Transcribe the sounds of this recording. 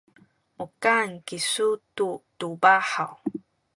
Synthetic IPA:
ukankisututubaħaw

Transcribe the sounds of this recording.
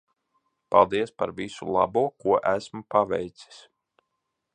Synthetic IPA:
palˠd̪iɛspaɾvisṵlˠɑ̰buɔkuɔʔæsmupaʋɛ̰jt̪si̥s

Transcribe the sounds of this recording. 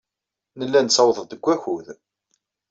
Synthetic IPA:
nəlːænsɑwðˤəd̪əɡʷːæçuð

